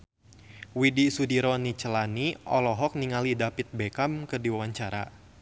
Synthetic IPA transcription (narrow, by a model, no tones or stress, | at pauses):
widisudiɾɔnit͡ʃəlaniʔɔ̰lɔɦɔk̚niŋalidapɪt̪̚bekamkərdiwawaɲt͡ʃaɾa̰